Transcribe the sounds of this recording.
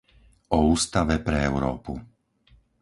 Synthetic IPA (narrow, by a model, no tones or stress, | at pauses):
ɔuːst̪aʋɛpɾɛɛʊɾɔ̰ːpu